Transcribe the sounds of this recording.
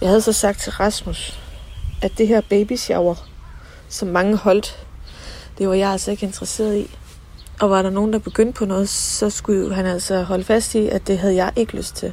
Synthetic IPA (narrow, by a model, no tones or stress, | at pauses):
jɑ̈ɪhæð̞̩ˠsɒ̽sɑ̈ɡ̥̚d̥̚t͡sʰe̝lʁɑ̈smus | ʔæd̥d̥iɦæɐ̰b̥eɪb̥iɕjɑʊɐ | sɒ̽mːɑ̈ŋəhɒ̽l̰d̥ | d̥e̝ʋɑ̈jɑ̈ɪælsɒ̽e̝ɡ̥əe̝nd̥ʁɐse̝̰ːɐðˠi | ɒ̽ʋɑ̈ɾ̥ɑ̈no̝ːn̩d̥ɑ̈b̥e̝ɡ̥øn̰d̥̚pʰɒ̽nɔ̽ːð̞̩ˠsɒ̽sɡ̥ujoɦænæl̰sɒɦɒ̽ləfæsd̥iæ̥e̝ɦæð̞̩ˠjɑ̈ɪʔe̝ɡ̥əløsd̥̚t͡sʰe̝l